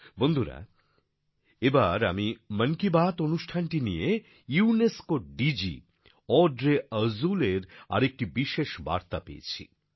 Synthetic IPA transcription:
bond̪ʱuɾa̰ | ebaɾa̰miməŋkibat̪onuʃʈʰanʈinije | iuneskoɖid͡ʑḭ | ɔɖɾeəzuleɾa̰ɾek̚ʈibiʃeʃba̰ɾt̪apḛːḛt͡ɕʰḭ

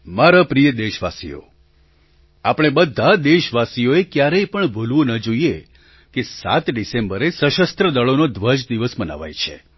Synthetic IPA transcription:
maɾapɾijəd̪eʃʋasḭjo̰ | apəɽ̃ebəd̪ʱːad̪eʃʋasijoekjaɾəjpəɳbʱulʋũnəd͡ʒoie | kesa̰t̪ɖisembəɾesəʃəst̪ɾəd̪əɭonod̪ʱʋəd͡ʒd̪iʋəsməna̰ʋa̰jt͡ʃʰḛ

